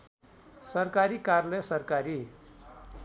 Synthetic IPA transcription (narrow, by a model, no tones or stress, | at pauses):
səɾkaɾikaɾləsəɾkaɾi